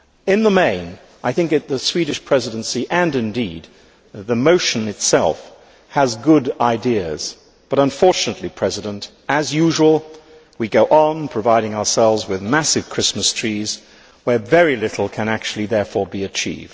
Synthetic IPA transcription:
ɪ̃nðəmẽɪ̃n | ʔaɪθɪ̃ŋkɨt̪̚ðɨswiɾɨʃpʰɹ̥ɛzɨɾɨ̃nsiʔɨ̃nɨ̃ndid̪̚ | t̪̚ðɨmoʊʃɨ̃nɨtsɛ̰lˠf | həzɡʊɾaɪdiɨz̥ | b̥ʌɾə̃ɱfɔɹt͡ʃɨnətˡlipʰɹ̥ɛzɨɾə̃nt | ɨzjʉʒəwəl̩ˠ | wiɡoʊʔə̃npʰɹ̥ɨvaɪɾɪ̃ŋəʊə˞sɛlˠvzwɪðmæsɨv̥kʰɹ̥ɪsməstʰɹ̥iz̥ | wə˞vɛɹilɪɾl̩ˠkʰɨ̃ñæk̚t͡ʃʉl̩ˠiðɛɹfɔɹbiɨt͡ʃʰḭvd̥̚

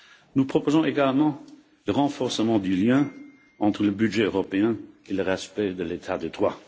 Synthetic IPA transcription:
nupχɔpozɔ̃ʔeɡalmɑ̃ | ləʁɑ̃fɔʁsəmɑ̃d̪yljɛ̃ | ɑ̃t̪χələbyʒɛøʁɔpeɛ̃eləʁɛspɛd̪əlet̪ʰad̪əd̪ʁwa

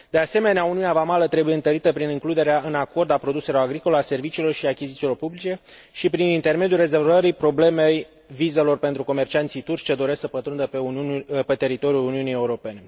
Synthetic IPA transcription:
d̪̥e̞ase̞me̞neauniunavamalət̪ɾe̞bujeɨnt̪əɾit̪əpɾinɨŋklud̪e̞ɾeaɨnako̞rd̪apɾo̞d̪use̞lo̞ɾaɡɾiko̞lease̞rvit͡ʃiːlo̞rʃiakʲizit̪silo̞rpublit͡ʃe̞ | ʃipɾinint̪e̞rme̞d̪julre̞zervəɾipɾo̞ble̞mej | vize̞lo̞rpe̞nt̪ɾuko̞me̞rt͡ʃiant̪sijt̪urt͡ʃʲt͡ʃad̪o̞ɾesəpət̪ɾund̪əpepe̞t̪e̞ɾit̪o̞ɾjuluniunije̞uɾo̞pe̞ne̞

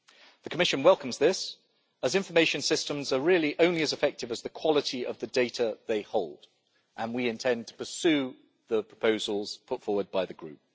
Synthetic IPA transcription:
ðəkʰəmɪʃə̃nwɛlˠkə̃mzðɪs | əzɪ̃ɱfəmeɪʃə̃nsɪstə̃mzəɹɪəliʔə̃ʊ̃nliəzɪfɛk̚tɪvəzðəkʰw̥ɒlətʰiʔə̰vðədeɪtʰəðeɪhoʊlˠd̥ | ʔə̃nwiɪ̃ntʰɛ̃ntʰə̥pəsʉː | ðəpʰɹ̥ə̥pʰəʊzəlˠz̥pʰʊtfɔːwəd̚baɪðəɡɹʉ̰ˑp̚

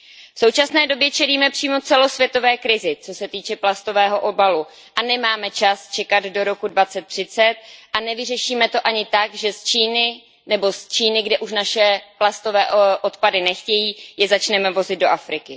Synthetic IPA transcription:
fsowt͡ʃasnɛːdo̞bjɛt͡ʃɛliːmɛpr̝̥iːmo̞t͡sɛlo̞svjɛt̪o̞vɛːkɾɪzɪt͡so̞sɛt̪iːt͡ʃɛplast̪o̞vɛːɦo̞ʔobalu | ʔanɛmaːmɛt͡ʃast͡ʃɛkad̪do̞ɾo̞kudvat͡sɛt̪ːr̝̥ɪt͡sɛt̪̚ʔanɛvɪrɛʃiːmɛt̪o̞ʔaɲɪt̪aɡʒɛst͡ʃiːnɪ | nɛbo̞st͡ʃiːnɪɡdɛʔuʃnaʃɛplast̪o̞vɛːʔo̞t̪padɪnɛxcɛjiːjɛzat͡ʃnɛmɛvo̞zɪd̪̚do̞ʔafɾɪkɪ

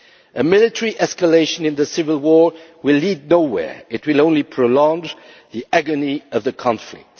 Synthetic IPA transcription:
ʔəmɪlɨtʰəɹiʔɛskəleɪʃə̃nɨ̃nðəsɪvəlˠwɔɹwɪlːidⁿnoʊwɛ̰ɹɪt̚wɨlˠõʊ̃nlipʰɹ̥olɔ̃ŋd͡ʒ | ðiʔæɡəniʌvðɨkʰɑ̃ɱflɪ̰k̚t

